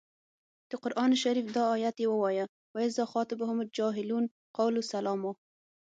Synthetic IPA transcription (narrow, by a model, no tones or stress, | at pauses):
d̪̥əqʊɾʔɑnʃaɾifd̪ɑːjat̪jewəwɑja | waɪzɑxɑt̪ɪbɦʊmʊd͡ʒɑɦɪlun | qawlusalɑmo